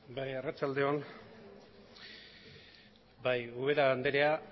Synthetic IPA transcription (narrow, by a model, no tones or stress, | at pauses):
bajerat͡ʃald̪e̞on | bajuβ̞eɾaand̪eɾe̞a